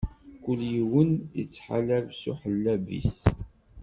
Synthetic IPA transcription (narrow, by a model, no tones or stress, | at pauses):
kʷːʊljiwənjə̰t͡sːħa̰lævsṵħəlːævḭs